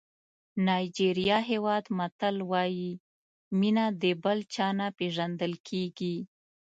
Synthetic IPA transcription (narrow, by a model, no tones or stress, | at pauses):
nɑjd͡ʒiɾijɑɦewɑd̪mat̪əlwɑji | minad̪əbəlt͡ʃɑnapeʒand̪əlkʰeɡi